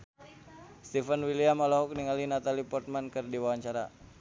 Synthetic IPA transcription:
st̪ifənwiliamalɔɦuk̚niŋalinat̪alipɔrt̪̚mankɨrdiwawaɲt͡ʃaɾa

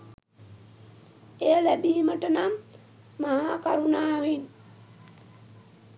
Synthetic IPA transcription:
ejəlæbiɦiməʈənamː | aɦaːkaɾunaːʋin

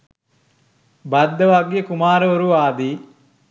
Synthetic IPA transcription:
bɐd̪ːɐʋaɡijekumaːɾəoɾuaːd̪iː

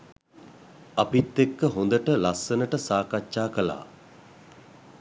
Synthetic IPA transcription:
apit̪ːekːəɦond̪əʈəlasːənəʈəsaːkat͡ʃʃaːkəla̰ː

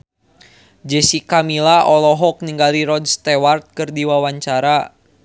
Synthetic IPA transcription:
d͡ʒɛsikamilaʔɔlɔɦɔk̚niŋɡaliɾɔdst̪ɛwart̪̚kɨrdiwawaɲt͡ʃaɾa

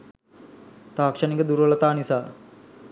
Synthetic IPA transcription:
t̪aːkʂɐnikəd̪uɾʋələt̪aːnisaː

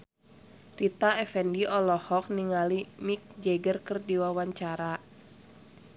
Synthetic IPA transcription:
rit̪aɛfɛndiʔɔlɔhɔk̚niŋalimik̚d͡ʒɛɡərkɨrdiwawaɲt͡ʃaɾa

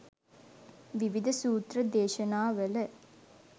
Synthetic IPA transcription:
ʋiʋid̪ʱɐsuːt̪rəd̪eːʃɐnaːʋələ

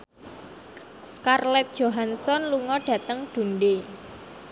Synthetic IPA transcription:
skarlɛt̪̚d̥ʒ̥oɦansɔnluŋɔɖ̥ä̤t̪əŋɖ̥ṳnɖe

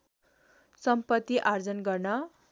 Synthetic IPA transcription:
sʌmpʌt̪ːiʔard͡zʌnɡʌrnʌ

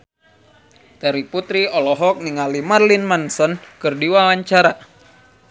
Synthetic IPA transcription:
t̪ɛɾiput̪ɾiɔlɔɦɔk̚niŋalimarlinmansɔnkɨrdiwawaɲt͡ʃaɾa

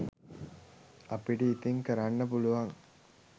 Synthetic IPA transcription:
ɐpiɖiːt̪iŋkɐɾanːɐpuluʋɐŋ

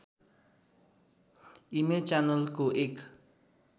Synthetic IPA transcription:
imet͡ʃanəlkoʔek

